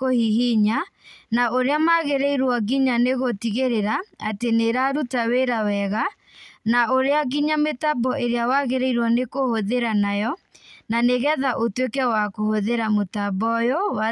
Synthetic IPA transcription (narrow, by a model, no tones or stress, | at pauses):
kohiɦiɲanaʔoɾeamaɣeɾɛiɾwɔɣiɲaneɣotiɣeɾeɾaateneɾaɾutaweɾawɛɣa | naoɾeaɣiɲametabɔʔeɾeawaɣeɾɛiɾwɔnekohoðeɾanajɔ | naneɣɛðaʔotwekɛwakohoðeɾamotabɔjowa